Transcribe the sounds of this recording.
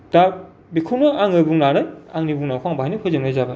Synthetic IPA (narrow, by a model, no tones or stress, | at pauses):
da | bikʰuwnɯaŋɯbuŋnanɯjaŋnibuŋnakʰaŋbaɦajnɯkʰɯzɯŋnɯjzabɯ